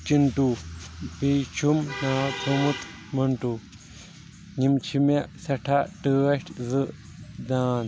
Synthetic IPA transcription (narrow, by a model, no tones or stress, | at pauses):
t͡ʃinʈupit͡ʃʰumnaːt͡sʰumut̪ | mɐɳʈu | ɲimt͡ʃʰimaʔsɐʈʰaʈɨɐɕʈʰzɨʔ | d̪aːn